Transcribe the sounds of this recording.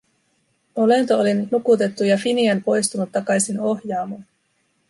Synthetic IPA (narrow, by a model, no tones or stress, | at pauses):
o̞le̞nt̪oolinnukut̪e̞t̪ːujɑfiniɑnpo̞jst̪unut̪ːɑkɑjsino̞hjɑːmɑn